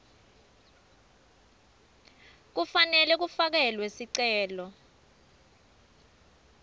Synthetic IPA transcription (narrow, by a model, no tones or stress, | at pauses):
k̬ufanɛlɛk̬ufak̬ɛlwesiǀɛːlɔ